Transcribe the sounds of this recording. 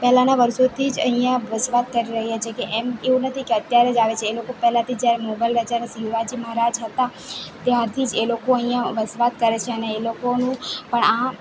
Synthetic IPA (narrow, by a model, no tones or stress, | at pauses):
pɛɦlanaʋəɾsot̪ʰid͡ʒə̰ɦĩjãʋəsʋat̪̚kəɾiɾəɦjat͡ʃʰekeʔɛmeũnət̪ʰikeət̪jaɾed͡ʒaʋet͡ʃʰeːlokopɛɦlãt̪ʰid͡ʒjaɾemobajlɾəd͡ʒanesiʋad͡ʒiməɦaɾad͡ʒɦət̪at̪jaɾt̪ʰid͡ʒelokoəɦĩjãʋəsʋat̪̚kəɾet͡ʃʰeəneːlokonũpəɳã